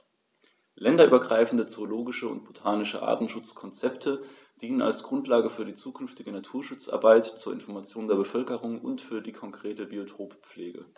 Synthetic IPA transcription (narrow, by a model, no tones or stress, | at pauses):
lɛndɐʔyːbɐɡʁaɪfn̩dət͡sooloːɡɪʃəʊ̰nt̚b̥otʰaːnɪʃəʔa̰ːɐtn̩ʃʊt͡skʰɔnt͡sɛptʰə | d̥iːnəna̰lsɡ̥ʁʊntlaːɡəfyːɐdiːt͡suːkʰʏnftɪɡənatʰuːɐʃʊt͡sʔa̰ɐbaɪtt͡suːɐɪ̰nfɔɐmat͡sjoːndeːɐbəfœlkəʁʊŋʊ̰ntfyːɐdiːkʰɔŋkʁ̥eːtəbiotʰoːpp͡fleːɡə̰